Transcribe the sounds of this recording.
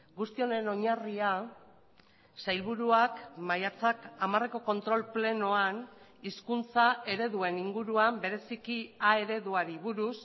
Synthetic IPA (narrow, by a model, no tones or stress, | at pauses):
ɡust̪io̞ne̞no̞ɲaria | sajlβuɾuakmajat͡sakamare̞ko̞ko̞nt̪ɾo̞lple̞no̞aniskunt͡saʔe̞ɾe̞ðue̞niŋɡuɾuambe̞ɾe̞sikiae̞ɾe̞ðuaɾiβuɾus